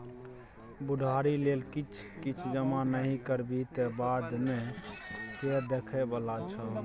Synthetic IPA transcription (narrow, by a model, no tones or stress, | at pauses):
bud̪ʱaɾilelkit͡ʃʰ | kit͡ʃʰd͡ʒəmanəɦĩkəɾbit̪ebad̪me | ked̪ekʰɛbəlat͡ʃʰə